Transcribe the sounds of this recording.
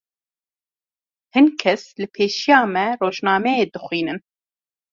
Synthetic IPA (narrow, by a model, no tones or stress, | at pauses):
hɨnkʰɛslɨpʰeːʃijɑːmɛroːʒnɑːmɛjeːd̪ɨxʷwiːnɨn